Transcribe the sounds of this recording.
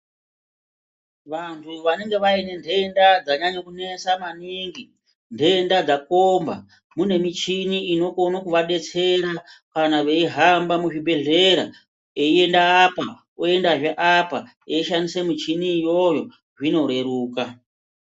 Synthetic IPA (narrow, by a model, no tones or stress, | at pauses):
ʋantʰuʋane̞ŋɡe̞ʋaine̞ndʱe̞ndad͡zaɲaɲokune̞samaniːŋɡi | ndʱe̞ndad͡zakomba̰ | mune̞mit͡ʃiniino̞konakuʋaɗe̞t͡se̞ɾakanaʋe̞iɦambamuʐibe̞ɮe̞ɾa̰ | e̞ie̞ndaːpa | oe̞ndaʐeʔapa | eiʃanisemit͡ʃinijo̞jo̞ | ʐino̞ɾe̞ɾuːka